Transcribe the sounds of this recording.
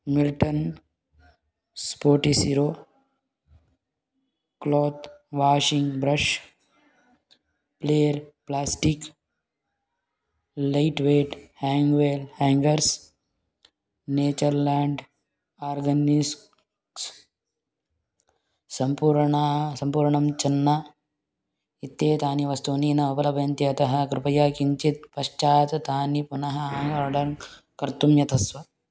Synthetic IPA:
milʈən | spoːʈisiɾoː | kloːt̪ʋaːʃĩŋɡbɾɐʃ | pleːɾplaːsʈik | laɪʈʋeːʈhɛ̃ːŋɡʋeːlhɛ̃ːŋɡəɾs | neːt͡ʃɐɾlaːɳɖ | aːɾɡɐnis | s | sɐmpuːɾɳasɐmpuːɾɳɐmt͡ʃɐnːa | it̪jeːt̪aːniʋɐst̪uːniːnɐɐbɐlɐbʱjɐnt̪iɐt̪ɐɦɐkɾɪpɐjaːkiɲt͡ʃit̪̚pɐʃt͡ʃaːt̪ɐt̪aːnipunɐɦɐaːŋɡaːɖɐɾŋ | kɐɾt̪umjɐt̪ʰɐsʋɐ

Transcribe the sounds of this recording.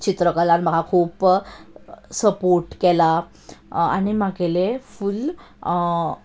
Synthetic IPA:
t͡ɕit̪ɾəkəlanm̤əɡʱakʰuːp | səpoɾʈkɛla | a̰ɽ̃imaɡeleful

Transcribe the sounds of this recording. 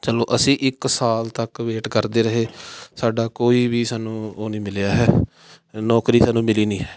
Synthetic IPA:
t͡ʃəloːʔəsĩːʔɪksaːlt̪əkʋeːʈkəɾd̪eːɾəɦeːsaːɖaːkoːiːʋiːsaːnũːoːnĩːmɪljaːɦɛː | nɔːkɾiːsaːnũːmɪliːnĩːɦɛː

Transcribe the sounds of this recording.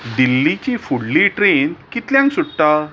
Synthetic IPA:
ɖilːit͡ɕifuɽliʈɾenkit̪ljãŋksuɽʈ̪a

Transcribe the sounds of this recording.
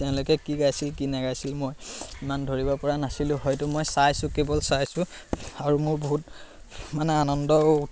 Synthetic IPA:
tɛʊ̃lokɛkiɡajsilkinɛɡajsilmojimandʱoɹibɔpɔɹanasilʊ̃ɦɔjtʊmojsajsʊ̃kebɔlsajsʊ̃ | aɹumʊɹboɦut̚ | manɛanɔndɔ

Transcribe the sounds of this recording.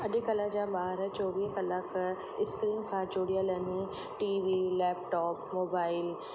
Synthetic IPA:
əɖeːkəlãːd͡ʒãːbaːɾt͡ʃɔːʋiːkəlak | ɪskɾiːnkʰãːt͡ʃoːɽijaːlɛːne | ʈiːʋiːlɛːpʈɔːpmoːbaːɪl

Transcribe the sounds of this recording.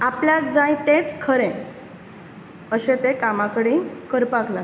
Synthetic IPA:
apljakd͡zajt̪ẽt͡skʰəɾẽ | əɕẽt̪ekamakəɽĩkəɾpakla

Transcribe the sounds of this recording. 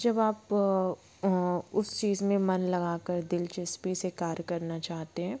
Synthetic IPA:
d͡ʒɐbaːp | ʊst͡ʃiːzmẽmɐnlɐɡaːkəɾd̪ɪlt͡ʃɪspisekaːɾkɐɾnat͡ʃaːɦt̪eɦɛ̃ː

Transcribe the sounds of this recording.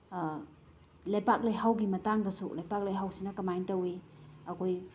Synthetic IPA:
lɐjpak̚lojhawɡimɐtaŋdɐsṵlɐjpak̚lojɦawsinɐkɐmajntɐwi | ɐkʰoj

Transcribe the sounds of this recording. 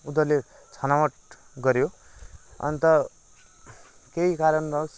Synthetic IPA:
ud̪ʌrle | t͡sʰʌnawʌʈ̚ | ɡʌɾjo | ʌ̰nt̪ʌ | keikaɾʌnbʌs

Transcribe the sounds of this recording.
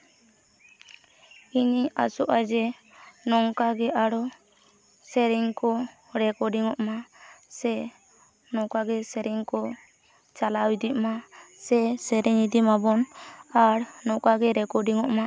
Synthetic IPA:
iɲia̰sɔʔad͡ʒɛ | nɔŋkaɡɛʔaɽɔ | sɛɾiŋkɔ | ɾɛkɔɖiŋɔʔmasɛ | nɔkaɡɛsɛɾiŋkɔ | t͡ʃalawid̪iʔmasɛsɛɾɛŋid̪imabɔnaɾnɔkaɡɛɾɛkɔɖiŋɔʔma

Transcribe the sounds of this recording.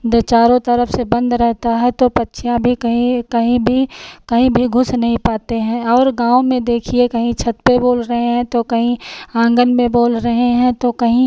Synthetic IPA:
d̪et͡ʃaːɾõt̪ɐɾəfʰsebɐ̃nd̪ɾɛɦt̪aɦɛt̪opɐtːʃʰijãbʱikɐɦĩkɐɦĩbʱikɐɦĩbʱiɡʱʊsnɐɦĩpaːt̪eɦɛ̃ɔːɾɡãːomẽd̪eːkʰiekɐɦĩt͡ʃʰɐt̪peboːlɾɐɦeɦɛ̃t̪okɐɦĩãːŋɡənmẽboːlɾɐɦeɦɛ̃t̪okɐɦĩ

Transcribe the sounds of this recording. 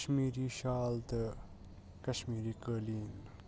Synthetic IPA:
ʃmiːɾiːʃaːlt̪ə | kɐʃmiːɾiːkəːliːn

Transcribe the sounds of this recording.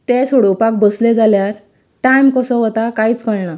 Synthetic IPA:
t̪esoɽopak̚bəsled͡zaljaɾ | ʈajmkəsɔɦɔt̪akajit͡skəɭɳa

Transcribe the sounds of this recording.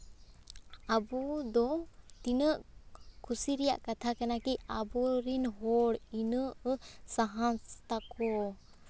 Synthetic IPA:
abɔd̪ɔt̪inəʔkʰusiɾɛja̰ʔkat̪ʰakanakiabɔɾinɦɔɽinəʔsaɦanst̪akɔ

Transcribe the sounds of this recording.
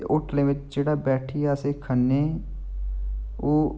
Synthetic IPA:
ʔʊʈʰlẽʋɪt͡ʃd͡ʒeːɽabɛːʈʰiaːsekʰənːẽ | oː

